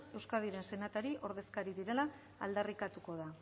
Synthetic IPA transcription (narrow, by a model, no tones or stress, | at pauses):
e̞wskað̞iɾe̞nse̞nat̪aɾiʔo̞ɾðe̞skaɾiðiɾe̞la̰ː | ld̪arikat̪uko̞ð̞a